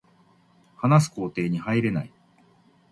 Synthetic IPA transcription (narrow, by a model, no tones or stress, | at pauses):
hanasɨ̥ko̞ːt̪e̞ːɲ̟ihaiɾe̞nai